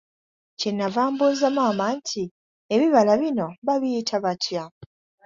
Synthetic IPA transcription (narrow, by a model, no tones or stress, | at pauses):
cenːavaːmbuzamaːmantʰi | eβiβalaβino̞βaβijitʰaβatʰja